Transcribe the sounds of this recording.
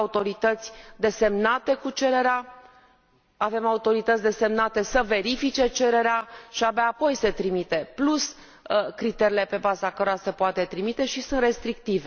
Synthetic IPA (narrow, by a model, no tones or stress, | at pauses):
ut̪o̞ɾit̪ət̪sʲd̪e̞se̞mnat̪e̞kut͡ʃe̞ɾe̞ɾea | ave̞maut̪o̞ɾit̪ət̪sʲd̪e̞se̞mnat̪e̞səve̞ɾifit͡ʃe̞t͡ʃe̞ɾe̞ɾeaʃiabaːpo̞jse̞t̪ɾimit̪e̞plus | kɾit̪e̞ɾile̞pe̞bazakəɾo̞ɾase̞poat̪e̞t̪ɾimit̪e̞ʃisunt̪re̞st̪ɾik̚t̪ive